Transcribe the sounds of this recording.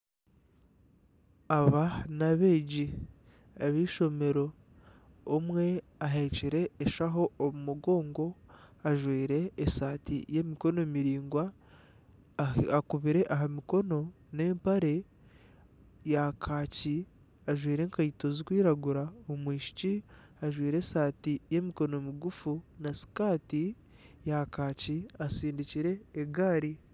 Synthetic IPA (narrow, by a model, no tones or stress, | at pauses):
aβanaβe̞ɟi | aβiʃo̞me̞ɾo̞ː | mwe̞ | aɦeciɾe̞ːʃaɦo̞ːβumuɡo̞ːŋɡo̞aʒwiːɾe̞ːsaːtḭje̞miko̞no̞miɾiːŋɡwa | akuβiɾe̞ʔaɦamiko̞no̞ | ne̞ːmpaɾe̞ | jakʰaːci | aʒwiːɾe̞ːŋkaito̞zikwiːɾaɡuɾaomwiːʃi̥ci | aʒwiːɾe̞saːtije̞miko̞no̞miɡufunasi̥kaːti | jakaːciasiːndiciɾe̞ːɡaːɾi